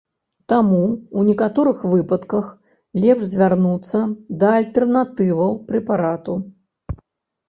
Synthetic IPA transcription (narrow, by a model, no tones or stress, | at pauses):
t̪amuunʲɛkat̪ɔɾɨxvɨpɐt̪kɐx | lʲɛpʐzʲvʲarnut̪sːɐd̪ɐːlʲt̪ɛrnat̪ɨvɐwpɾɛpaɾat̪u